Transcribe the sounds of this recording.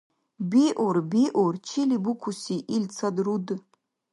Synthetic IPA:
biʔorbiʔort͡ʃʰilibukʷʰusiʔilt͡sʰadrud

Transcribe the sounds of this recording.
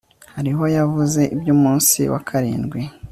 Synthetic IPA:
haɾiɦo̞javuze̞ʔibjuːmuːnsḭwʔa̰kʰaɾḭːnɡwi

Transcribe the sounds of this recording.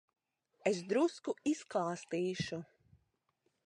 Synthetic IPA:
esd̪ɾuskuisklˠaːst̪iːʃu

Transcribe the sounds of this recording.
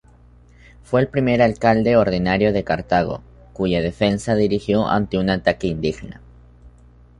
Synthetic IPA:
fwe̞ːlpɾime̞ɾalkald̪e̞oɾðinaɾjo̞ðe̞kaɾt̪aɣ̞o̞̰ | kuʝaðe̞fe̞nsaðiɾixjo̞ʔa̰nt̪eunat̪akeind̪ixna̰

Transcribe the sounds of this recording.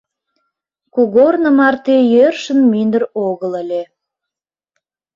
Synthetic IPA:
kuɣornə̆mɑrt̪ejørʃə̆nmynd̪əroɣə̆lə̆lʲe

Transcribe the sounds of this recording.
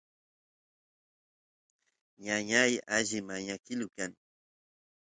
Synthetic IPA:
ɲaɲajaʒɪmaɲakɪlʊkaŋ

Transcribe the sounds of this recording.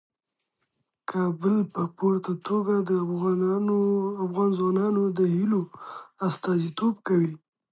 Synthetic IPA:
kʰɑbəlpəpoɾt̪at̪oɡad̪əɣoafɣɑnzwɑnɑnod̪əhiloast̪ɑzit̪obkawi

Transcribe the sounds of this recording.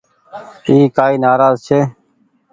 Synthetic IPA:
iːkaːiːnaːɾaːzt͡ʃʰeː

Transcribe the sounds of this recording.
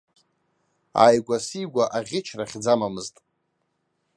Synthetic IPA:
a̰jɡʷasiɡʷaʔaʁʲɪt͡ʃʰraχʲd͡zamamɨztʼ

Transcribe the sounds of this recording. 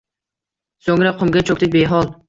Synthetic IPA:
soŋɾaqʰʊmɡʲat͡ʃʰok̚ʲt̪ɪbeɦɒlˠ

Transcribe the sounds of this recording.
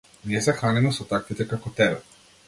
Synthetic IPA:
niɛsɛxanimɛsɔt̪ak̚t̪it̪ɛkakɔt̪ɛbɛ

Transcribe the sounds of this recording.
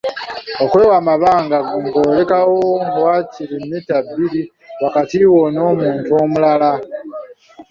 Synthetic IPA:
o̞kwe̞wamaβaːŋɡaŋkoːle̞kawoŋwaːciɾimːitabːili | wakatiwo̞no̞ːmuːntuo̞ːmulala

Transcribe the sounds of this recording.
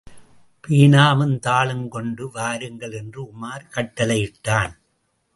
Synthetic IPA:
piːnaːmɯnt̪aːɭɯnkɔɳɖɯʋaːɾɯŋɡɐɭɛndrɯʊmaːɾkɐʈːɐlɐɪjɪʈːaːn

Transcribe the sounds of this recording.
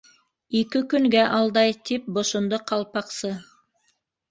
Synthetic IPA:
ikɘkɵŋɡæʔɑlˠd̪ɑjt̪ʰip̚bŏʃŏnd̪oqʰɑlˠpɑqsɤ

